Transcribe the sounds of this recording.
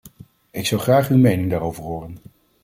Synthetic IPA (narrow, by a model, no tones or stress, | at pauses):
ɪksɑwχraːχywmejnɪŋdaːɾowvəɹɦoːrən